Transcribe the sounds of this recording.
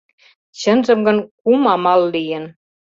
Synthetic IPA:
t͡ɕənzə̆mɡɤ̆nkumɑmɑlːijən

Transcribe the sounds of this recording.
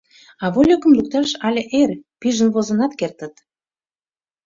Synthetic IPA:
ɑβolʲokə̆mluk̚t̪ɑʃɑlʲĕʔerʲpiʒə̆nβozə̆nɑt̪kert̪ə̆t̪

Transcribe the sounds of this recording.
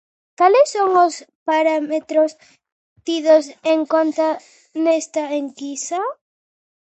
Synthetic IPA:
kalesːoŋospaɾamet̪ɾos | t̪iðoseŋkont̪a | nest̪aeŋkisa

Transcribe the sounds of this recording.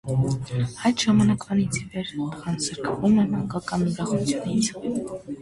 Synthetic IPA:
hɑjt̪ʒ̥ɑmɑnɑkvɑnit͡sʰivɛɾʁɑnsəɾkʰvumɛmɑŋkɑkɑniɾɑχut͡sʰjunit͡sʰ

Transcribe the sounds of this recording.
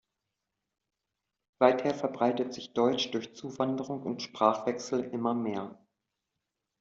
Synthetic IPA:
vaɪtheːɐfɛɐbʁaɪtətz̥ɪçd̥ɔʏt͡ʃd̥ʊɐçt͡suːvandəʁʊŋʊntʃpʁ̥aːχv̥ɛksl̩ʔɪmɐmeːɐ

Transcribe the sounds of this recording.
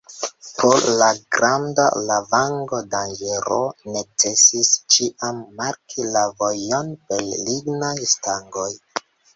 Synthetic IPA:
pʰollaɡɾanda̰lavaŋɡodand͡ʒe̞ɾo̰ne̞t͡se̞sist͡ʃiʔamːaɾkʰilavo̞jo̞nbe̞lliɡnajstaŋɡo̞j

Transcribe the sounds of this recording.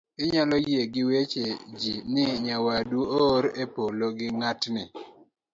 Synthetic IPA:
ɪɲalɔjeɡɪwet͡ʃed͡ʒinɪɲawaduoɾepoloɡɪŋatnɪ

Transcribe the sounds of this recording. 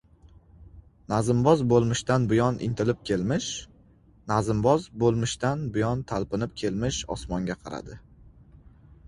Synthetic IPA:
nazɪmbɒzbolˠmɪʃt̪anbʊjɒnʔɪ̰nt̪ʰɪlɪp̚kʲʰe̞lmɪʃ | nazɪmbɒzbolˠmɪʃt̪anbʊjɒnt̪ʰalpɪnɪp̚kʲʰe̞lmɪʃɒ̰smɒŋɡʲaqʰɑɾa̰d̪ɪ

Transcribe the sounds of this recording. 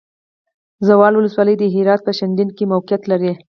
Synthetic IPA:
zawɑlwʊləswɑləjd̪əɦɪɾɑt̪̚pəʃand̪inkemawqijat̪laɾi

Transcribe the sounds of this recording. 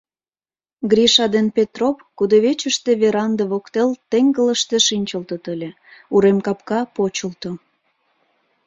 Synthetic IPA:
ɡɾʲiʃɑd̪enpʲet̪ropkud̪oβet͡ɕəʃt̪eβeɾɑnd̪eβokt̪elt̪eŋɡələʃt̪e̽ʃinʲt͡ɕəlt̪ət̪əlʲe | uɾemkɑpkɑpot͡ɕəlt̪o

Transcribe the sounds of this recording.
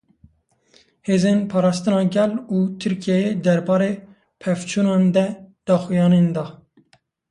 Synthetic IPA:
heːzenpʰɑːɾɑːst̪ɨnɑːɡɛluːt̪ʰɨɾkʰijɛjed̪ɛɾbɑːɾeː | pʰɛft͡ʃʰuːnɑːnd̪ɛd̪̥ɑːxujɑːnend̪ɑː

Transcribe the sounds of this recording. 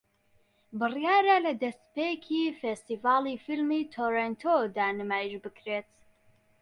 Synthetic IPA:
bɨrijaːɾalɐd̪ɐst̪peːkʰiːfest̪iːvaːliːfilmiːt̪ʰoːɾent̪ʰod̪aːnɨmaːjiʒbɨkɾeːt̪

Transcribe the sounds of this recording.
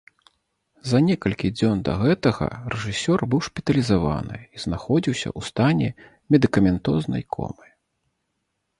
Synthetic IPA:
zɐnʲɛkɐlʲkʲid͡zʲɔnd̪ɐ̰ɣɛt̪ɐɣɐ̰rɛʐɨsʲɔrbɨwʂpʲi̥t̪ɐlʲizava̰nɨ̰iznaxɔd͡zʲiwsʲɐ̰ust̪anʲɛ | mʲɛd̪ɨkɐmʲɛnt̪ɔznɐ̰jkʰɔ̰mɨ

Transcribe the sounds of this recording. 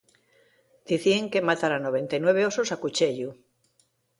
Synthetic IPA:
d̪̥iθieŋke̞mat̪aɾanoβẽ̞nt̪ajnwe̞β̞eososakut͡ʃeʎu

